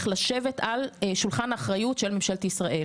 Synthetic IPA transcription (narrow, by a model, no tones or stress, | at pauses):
χlaʃe̞ve̞talʃulχanaːχʁajutʃe̞lmimʃalt̪isʁaʔe̞